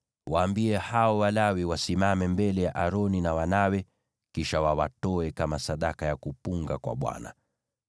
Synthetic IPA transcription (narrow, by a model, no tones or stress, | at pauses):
waːmbiɛhaɔwalawiwasimamɛmbɛlɛjaʔaɾɔninawanawɛ | kiʃawawatɔɛkamasaɗakajakupuŋɡakwa̰ɓwa̰na̰